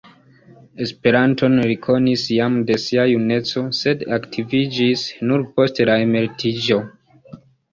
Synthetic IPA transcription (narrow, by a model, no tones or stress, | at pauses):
e̞spe̞ɾanto̞nɾikʰo̞nisjamde̞siajune̞t͡so̞se̞daktʰivid͡ʒisnuɾpo̞stelaeme̞ltʰid͡ʒo̞